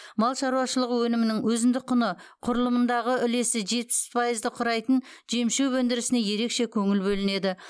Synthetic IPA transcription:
mɑlˠʃɑɾuwɑʃəlˠəqwɵnɪmɪnɪŋwɵzɪnd̪ɪk̚qʰːʊnəqʰʊɾlˠəmənd̪ɑʁəʏle̞sɪʒe̞t̪̚pɪ̥spʰɑjəzd̪əqʰʊɾɑjt̪ən | ʒemʃewwɵnd̪ɪɾɪsɪneje̞ɾe̞kʃe̞kʲʰɵŋɪlbɵlɪne̞d̪ɪ

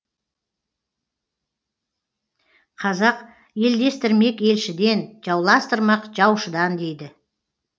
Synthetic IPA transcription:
qʰɑzɑq | je̞ld̪e̞st̪ɪɾme̞kʲe̞lʃɪd̪e̞nʒɑwlˠɑst̪əɾmɑqʒɑwʃəd̪ɑnd̪e̞jd̪ɪ

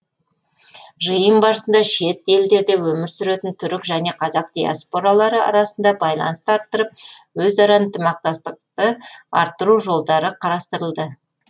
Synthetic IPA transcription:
ʒəjəmbɑɾəsənd̪ɑʃe̞t̪e̞ld̪e̞ɾd̪ewɵmɪɾsʏɾe̞t̪ɪnt̪ʰʏɾɪkʒæne̞qʰɑzɑq̚d̪̥ija̰spo̞ɾɑlˠɑɾəɑ̰ɾɑsənd̪ɑbɑjlˠɑ̰nəst̪əɑɾt̪ːəɾəp̚ | wɵzɑɾɑnt̪ʰəmɑq̚t̪ɑst̪əq̚t̪əɑ̰ɾt̪ːəɾuʒo̞lˠd̪ɑɾəqʰɑɾɑst̪əɾəlˠd̪ə

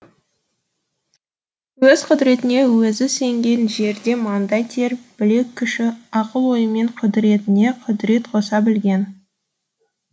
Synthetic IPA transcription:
wɵz̥qʰʊd̪ɾe̞t̪ɪne̞wɵzɪse̞ŋɡʲe̞nʒe̞ɾd̪e̞mɑnd̪ɑjt̪ʰe̞ɾb̥ɪle̞kʲʰːʏʃɪɑqəlˠwo̞jəme̞ɴqʰʊd̪ɾe̞t̪ɪne̞qʰʊd̪ɾe̞t̪qʰo̞sɑbɪlɡʲe̞n

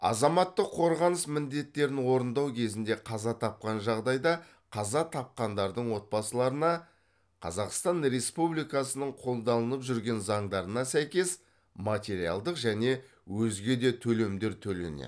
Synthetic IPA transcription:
ɑ̰zɑmɑt̪ːəqʰːo̞ɾʁɑnəsmɪnd̪e̞t̪ːe̞ɾɪnwo̞ɾənd̪ɑwkʲʰe̞zɪnd̪e̞qʰɑzɑt̪ʰɑp̚qɑnʒɑʁd̪ɑjd̪ɑ | qʰɑzɑt̪ʰɑp̚qɑnd̪ɑɾd̪əɴwo̞t̪̚bɑsəlˠɑɾənɑ | qʰɑ̰zɑqst̪ɑnɾe̞spublijkɑsənəɴqʰo̞lˠd̪ɑlˠənəpʒʏɾɡʲe̞nzɑɴd̪ɑɾənɑsæjkʲe̞s | mat̪ʲe̞ɾijɑ̰lˠd̪əqʒæne̞ | wɵzɡʲe̞d̪e̞t̪ʰɵle̞md̪e̞ɾt̪ʰɵle̞̰nḛ

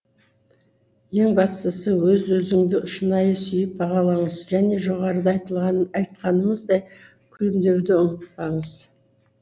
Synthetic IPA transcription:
je̞ŋbɑst̪əsəwɵzwɵzɪŋd̪ɪʊʃənɑjəsʏjɪp̚bɑʁɑlˠɑɴəzʒæne̞ʒo̞ʁɑɾəd̪ɑjt̪əlˠʁɑɑjt̪qɑnəməzd̪ɑj | kʲʰʏlɪmd̪e̞wd̪ɪʊnət̪̚pɑɴəz

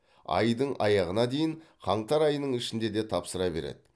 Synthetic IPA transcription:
ɑ̰jd̪əɴʔɑjɑʁənɑd̪e̞jɪɴχʰɑɴt̪ɑɾɑjənəɴɪʃɪnd̪e̞d̪e̞t̪ʰɑpsəɾɑbe̞̰ɾḛd̪ɪ

